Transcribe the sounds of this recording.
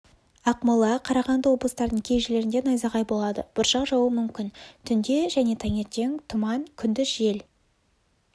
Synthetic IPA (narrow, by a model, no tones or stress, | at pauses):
ɑqməlˠɑqʰɑɾɑʁɑnd̪əwo̞bləst̪ɑɾd̪əɴkʲʰe̞jʒɪle̞ɾɪnd̪e̞nɑjzɑʁɑjbo̞lˠɑd̪ə̰b̥ʊɾʃɑqʒɑwəmʏmkʲɪnt̪ʰʏnd̪e̞ʒæne̞t̪ʰɑŋʲe̞t̪ːe̞ŋt̪ʰʊmɑnkʲʰʏnd̪ɪsʒe̞l